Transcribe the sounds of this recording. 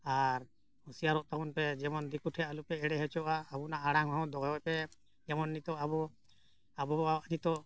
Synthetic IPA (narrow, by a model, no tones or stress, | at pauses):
aɾ | husijaɾɔʔt̪akunpɛd͡ʒɛmɔnd̪ikuʈʰhɛalupɛɛɽɛɦɛt͡ʃɔʔaːbunaʔaɽaŋɦɔɔ̃wd̪ɔɡɛwapɛ | d͡ʒɛmɔnːit̪ɔʔabɔ | abɔaaʔnit̪ɔ